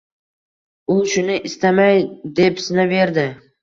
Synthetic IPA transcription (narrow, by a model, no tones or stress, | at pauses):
ʊʃʊnɪʔɪst̪amajd̪e̞psɪnave̞ɾd̪ɪ